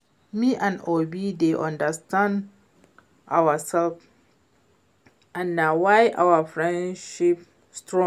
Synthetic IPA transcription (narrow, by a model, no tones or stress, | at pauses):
miʔãnɔbideʔɔ̃ndastʰãnd | ʔawasɛlf | ʔãnːawajʔa̰wafɹɛ̃ndʃip | stɹɔ̃